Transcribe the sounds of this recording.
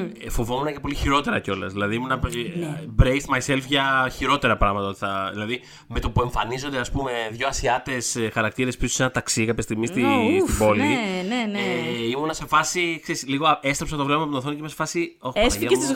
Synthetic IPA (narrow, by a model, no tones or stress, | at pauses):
fovo̞munɐce̞po̞liçiɾo̞t̪e̞ɾɐ̰ceo̞lɐ̰zðilɐðiimunɐ | bɾejst̪mɐjse̞lfʝɐçiɾo̞t̪e̞ɾɐpɾɐɣmɐt̪ɐot̪i̥θɐðilɐði | me̞t̪o̞pueɱfɐnizo̞nd̪e̞ɐspume̞ðʝo̞ɐsiɐt̪e̞sxɐɾɐkt̪iɾe̞spisu̥senɐt̪ɐksikɐpçest̪iɣmist̪ist̪ibo̞lineneimunɐse̞fɐsikseɾisliɣoest̪ɾpsɐt̪ovlepɐmɐput̪oθoncemɐse̥fɐsioçesesiz